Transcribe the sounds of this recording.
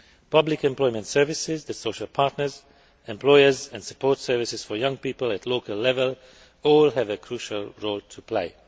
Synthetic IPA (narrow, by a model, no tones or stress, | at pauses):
pʌblɪkɛ̃mplɔɪmə̃ntsɜ˞vɪsɪzðɨsoʊʃəlˠpʰaɹtnə˞z | ɛ̃mplɔɪəzɛ̃ndsə̥pʰɔɹtsɜ˞vɪsɪz̥fə˞jʌ̃ŋpiːpəlætʰloʊkəlːɛvəlˠ | ɔːlˠɦævəkʰɹuʃəlˠɹoʊlˠtʰupʰl̥eɪ